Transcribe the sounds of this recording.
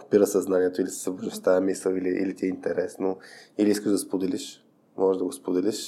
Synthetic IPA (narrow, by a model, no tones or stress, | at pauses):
opiɾəsɐznaniɛt̪oilisəzɐboʒɛst̪aɐmisəliliʔḭlit̪ʲiɛint̪ɛɾɛsnoiliiskəʒd̪ɐspod̪ɛliʃ | mɔʒɛʒd̪ɐɡospod̪ɛliʃ